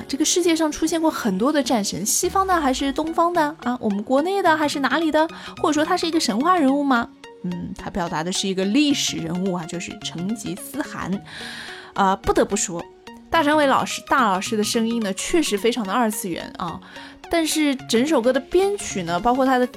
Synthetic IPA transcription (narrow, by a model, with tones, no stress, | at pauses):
ʈ͡ʂɤ˥˩ɡə˩ʂɻ̩˥˧t͡ɕjɛ˥˧ʂɑ˥˩ŋʈ͡ʂʰu˥ɕjɛ˥˧nkwɔ˥˩xə˨˩nt̪wɔ˥d̪ə˨˧ʈ͡ʂa˥˩nʂə˧˥ŋɕi˥fɑ˥ŋd̪ə˨xa˧˥ɪʂɻ̩˥˩t̪ʊ˥ŋfɑ˥ŋd̪ə˨ʔɐ˥˧wʔɔ˨˩mə˦nkwɔ˧˥ne˥˩ɪd̪ə˩xa˧˥ɪʂɻ̩˥˩na˧˥li˨˩d̪ə˦xwɔ˥˩ʈ͡ʂə˨˩ʂwɔ˥t̪ʰa˥ʂɻ̩˥˩i˧˥ɡə˧ʂə˧˥nxwa˥˩ɻə˧˥nu˥˩mɐ˩ | n̩˥˩t̪ʰa˥pjɑ˨˩ʊt̪a˧˥d̪ə˧ʂɻ̩˥˩i˧˥ɡə˧li˥˩ʂɻ̩˨˩ɻə˧˥nu˥˩ɐ˩t͡ɕjo˥˧ʊʂɻ̩˥˩ʈ͡ʂʰɤ˧˥ŋt͡ɕḭ˧˥sɹ̩˥xa̰˧˥n | ə˧pu˥˩t̪ɤ˧˥pu˥˩ʂwɔ˥ | t̪a˥˩ʈ͡ʂʰa˥nwe˧˥ɪlɑ̰˨˩ʊʂɻ̩˥t̪a˥˩lɑ˨˩ʊʂɻ̩˥d̪ə˨ʂɤ˥ŋi˥nnə˨t͡ɕʰɥɛ˥˩ʂɻ̩˧˥fe˥ɪʈ͡ʂʰɑ˧˥ŋd̪ə˧ə˞˥˧t͡sʰɹ̩˥˩ɥɛ̰˧˥nɐ̰˧˩t̪a˥˧nʂɻ̩˥˩ʈ͡ʂə˧˥nʂo˨˩ʊk̬ɤ˥d̪ə˨pjɛ˥nt͡ɕʰy˨˩nə˦pɑ˥ʊkʰwɔ˥˩t̪ʰa˥d̪ə˨